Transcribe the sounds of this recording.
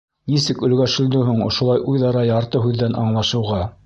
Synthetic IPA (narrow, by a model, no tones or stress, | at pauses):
nisɘkɵ̆lɡæʃɘ̆ld̪ɵɦuɴŏ̰ʃŏlˠɑjʔujðɑɾɑjɑɾt̪ɤɦʉðːænʔɑɴlˠɑʃɤ̆wʁɑ